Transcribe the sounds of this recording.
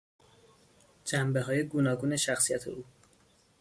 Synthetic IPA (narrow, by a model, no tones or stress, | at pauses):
d͡ʒæmbe̞ɦɒːjeɡuːnɒːɡuːne̞ʃæxsijæt̪ʰḛʔuː